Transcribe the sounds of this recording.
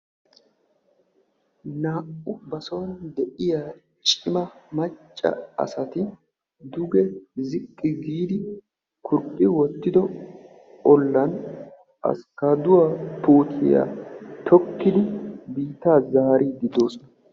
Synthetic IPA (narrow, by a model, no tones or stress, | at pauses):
naːʔʊbɐsond̪ɛʔɪjaː | t͡ʃʼɪmɐmɐt͡ʃʼːɐ̰ɐ̰sɐt̪ɪ | d̪ʊɡɛzɪkʼːɪɡiːd̪ɪ | kʊɾpʼːɪwɔt̪ːɪd̪ɔ | ɔlːɐn | ɐ̰skaːd̪ʊwapoːt̪ʰɪ̰ja̰t̪ʰɔkːɪd̪ɪbiːt̪aːzaːɾiːd̪ɪd̪o̞ːsɔnɐ